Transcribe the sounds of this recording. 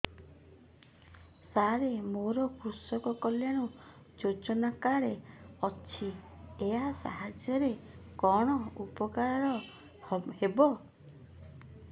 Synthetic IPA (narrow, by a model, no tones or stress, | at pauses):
saɾemoɾɔkɾusɔkɔkɔljaɽ̃u | d͡ʒod͡ʒɔnakaɾeɔt͡ʃʰi | easa̰ɦad͡ʒjɔɾekɔɽ̃ɔupɔkaɾaɾɔ | hebɔ